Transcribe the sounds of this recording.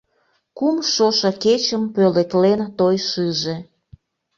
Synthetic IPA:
kumʃoʃɑket͡ɕəmpølek̪lent̪ojʃɨʒe̽

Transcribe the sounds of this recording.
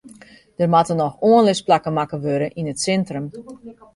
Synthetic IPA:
d̥ərmatənɔxoənlɪsplakəmakəʋøɾəʔinətsɛntrəm

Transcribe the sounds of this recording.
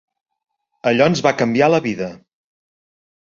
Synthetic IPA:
əʎɔənzβakəmbialəβiðə

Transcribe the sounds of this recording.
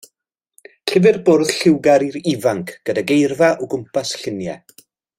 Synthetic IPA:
ɬɪvɨrboːrð̥ɬɪwɡaɾiɾivaŋkʰɡ̥ədaɡejrvaʔɔɡʊmpʰasɬɪnjɛ̰

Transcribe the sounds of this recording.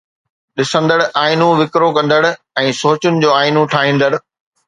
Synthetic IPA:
ɗɪsə̃nd̪əɽ̆ʔaːɪnũʋɪkɾokɐ̃nd̪əɽ̆ | ɛ̃ːsoːt͡ɕʊnɪ̆d͡ʑoːaːɪnũʈʰaːɦĩːnd̪əɽ̆

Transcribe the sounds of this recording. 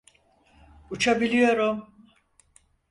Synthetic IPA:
ut͡ʃʰabilʲijo̞ɾum

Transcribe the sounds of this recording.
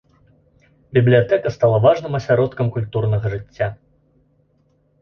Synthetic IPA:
bʲiblʲijat̪ɛkɐst̪alˠavaʐnɨmɐsʲaɾɔt̪kɐmkulʲt̪urnɐɣɐʐɨt͡sʲːa

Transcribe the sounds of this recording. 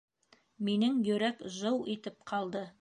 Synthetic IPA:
minɘŋjɵ̆ɾækʒɤwit̪ɘp̚qʰɑlˠd̪ɤ

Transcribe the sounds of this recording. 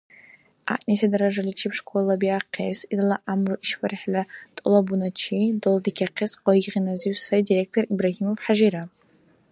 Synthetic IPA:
a̰ʔʼnesadaɾaʐalit͡ʃʰipʰʂkʷʰʼolabiaqʰesidalaʔamroʔiʃfarħlatʼɨlabunat͡ʃʰidoldɨkʲʰaqʰesqɔiʁinaziɥsaidirek̚tʰoribraɦimovħaʒiɾa

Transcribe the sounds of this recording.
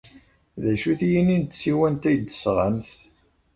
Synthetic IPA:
ðæʃuθjinint̪ːsiwænt̪æjd̪əsʁəmθ

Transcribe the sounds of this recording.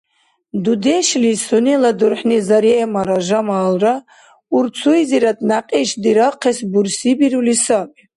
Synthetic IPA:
d̪ud̪ɛʃlisunɛlad̪uɾħnizaɾiɛmaɾaʒamaːlra | uɾt͡sʰuiziɾad̪ʼnaqʼiʃd̪iɾaqʰɛsbuɾsibiɾulisapʼ

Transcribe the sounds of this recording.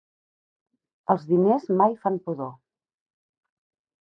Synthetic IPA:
əlˠzðinezmajfampuðo

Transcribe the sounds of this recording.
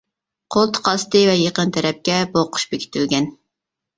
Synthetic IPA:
qʰolˠt̪ʰə̥qʰɑst̪ɨvɛjeqənt̪ʰɛɾɛp̚kʲɛboqʰʊ̥ʃbekʲʰi̥t̪ylɡʲɛn

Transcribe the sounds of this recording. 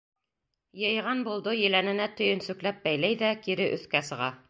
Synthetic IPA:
jɤ̆jʁɑnbulˠd̪ɤjɘ̆lænɘ̆næt̪ɵ̆jɵ̆nsʉklæp̚bæjlæjðækiɾɘʔɵ̆θkæsɤ̆ʁɑ

